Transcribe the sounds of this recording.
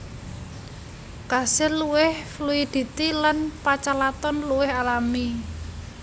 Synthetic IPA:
kasɪluwɪhfluid̪̥i̤t̪ilanpat͡ʃalat̪ɔnluwɪhalami

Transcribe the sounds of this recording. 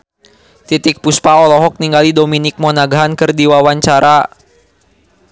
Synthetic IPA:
t̪it̪ɪk̚puspaɔlɔɦɔk̚niŋɡalidominɪk̚mɔnaɡaɦankɨrdiwawaɲt͡ʃaɾa

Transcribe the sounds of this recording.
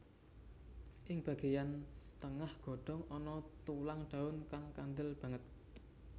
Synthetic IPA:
ʔɪŋb̥a̤ɡ̥e̤jant̪əŋahɡ̥ɔ̤ɖ̥ɔ̤ŋɔnɔt̪ulaŋɖ̥a̤ʊnkaŋkand̪ɪlb̥a̤ŋət̪̚

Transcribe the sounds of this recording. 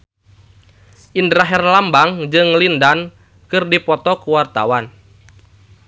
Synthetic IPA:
ʔindɾaɦɛrlambaŋd͡ʒɨŋlindan | kɨrdipɔt̪ɔkuwart̪a̰wan

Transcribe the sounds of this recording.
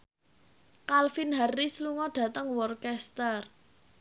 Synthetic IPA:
kalfinɦarːisluŋɔɖ̥ä̤t̪əŋwɔrkɛst̪ər

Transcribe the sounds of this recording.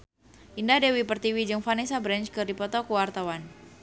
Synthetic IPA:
ʔindadewipərt̪iwid͡ʒɨŋfanisabɾɛnt͡ʃkɨrdipɔt̪ɔkuwart̪awan

